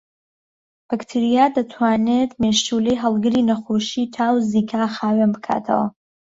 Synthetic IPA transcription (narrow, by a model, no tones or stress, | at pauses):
b̥ɐkt̪ʰiɾijad̪ɐt̪ʰwaːnet̪meʃuːlejɦɐlˠɡɨɾiːnɐxoːʃit̪ʰaːwziːkʰaːxaːwenbɨkʰa̰ːt̪ʰɐ̰wɐ̰